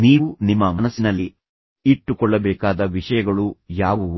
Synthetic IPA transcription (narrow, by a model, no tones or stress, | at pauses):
niːunimːɐmɐnɐsːinɐlːi | iʈːukɔɭːɐbɛːkaːd̪ɐʋiʂɐjɐɡɐɭujaːʋu